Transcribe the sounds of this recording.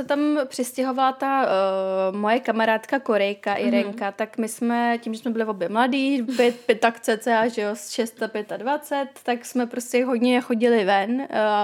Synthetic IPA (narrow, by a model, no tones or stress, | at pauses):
sɛt̪ampr̝̥ɪscɛɦo̞valat̪a | mo̞jɛkamaɾaːt̪kako̞ɾɛjkaʔɪɾɛŋkat̪akmɪsmɛciːmʒɛsmɛbɪlɪvo̞bjɛmladiːpjɛt̪̚pjɛt̪akt͡sɛːt͡sɛaʒɛosʃɛst̪apjɛt̪advat͡sɛt̪ːaksmɛpɾo̞scʲɛɦo̞d̪ɲɛxo̞ɟɪlɪvɛn